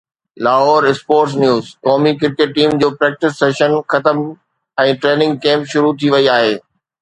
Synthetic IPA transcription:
laːɦoːɾɪspoːɾʈs̬njuːzkɔːmikɪɾkeʈ̚ːiːmd͡ʑoːpɾɛːk̚ʈɪsːeːʃənxɐt̪əm | ɛ̃ːʈɾeːnɪ̃ŋɡ̚kẽːmpʃʊɾut̪ʰiʋɐiaːɦeː

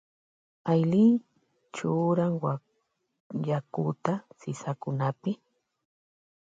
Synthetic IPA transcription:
ajli | t͡ʃʊːɾaŋwa | jakʊt̪asɪsakʊnapɪ

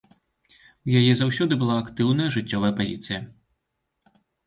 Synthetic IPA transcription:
ujajɛzawsʲɔd̪ɨbɨlˠaːkt̪ɨwnɐjɐʐɨt͡sʲːɔvɐjɐpazʲit̪sɨjɐ

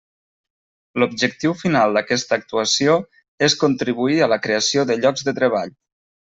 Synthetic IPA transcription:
lub̚ʒək̚t̪iwfinalˠd̪əkɛst̪əːk̚t̪uəsio | eskunt̪ɾiβuiələkɾeəsioðəʎɔɡzðət̪ɾəβ̞aʎ

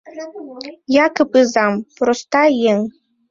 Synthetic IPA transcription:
jɑkɨpɨzɑmpɾost̪ɑjeŋ

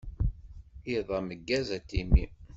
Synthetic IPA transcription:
iðˤɑməɡːæzæt̪ːimi

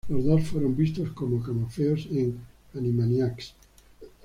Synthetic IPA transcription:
lozðosfweɾõmbist̪oskomokamofeoseŋ | animanjaks

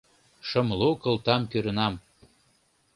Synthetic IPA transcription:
ʃə̆mlokə̆lˠt̪ɑmkøɾə̆nɑm

